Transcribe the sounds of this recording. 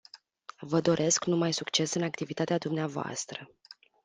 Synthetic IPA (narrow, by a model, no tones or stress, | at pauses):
vəd̪o̞ɾʔe̞sknumajsukt͡ʃe̞sɨnakt̪ivit̪at̪ead̪umneavoa̰st̪ɾə